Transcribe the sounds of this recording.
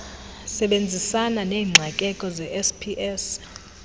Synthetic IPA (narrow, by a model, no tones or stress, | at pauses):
sɛɓend͡zʱisananeːŋ͡ǀʱakʼɛkʼɔzɛʔɛspʰiʔɛs